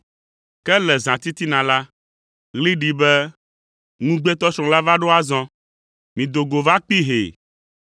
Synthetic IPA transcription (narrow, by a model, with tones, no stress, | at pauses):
kɛ˦lɛ˨zã˨t̪i˦t̪i˦nã˨la˦ | ɣli˦ɖi˨bɛ˦ | ŋũ˦ɡ͡bɛ˦t̪ɔ˦sɾ̃ɔ̃˨la˦va˦ɖo˦a˦zɔ̃˦ | mĩ˨d̪o˨ɡo˨va˦k͡pi˦ɦḛ˨